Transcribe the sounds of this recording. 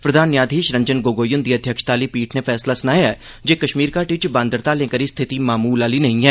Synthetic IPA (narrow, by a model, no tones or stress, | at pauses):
pɾəd̪ʱaːnjaːd̪ʱiːʃɾə̃ɲd͡ʒənɡoːɡoːjʊnd̪iːəd̪ʱjəkʃt̪aːliːpiːʈʰnepʰɛːslaːsənaːjɛː | d͡ʒeːkəʃmiːɾkaːʈit͡ʃbãːnd̪əɾt̪aːlẽːkəɾiːst̪ʰɪt̪iːmaːmuːlaːliːnəɦĩɛː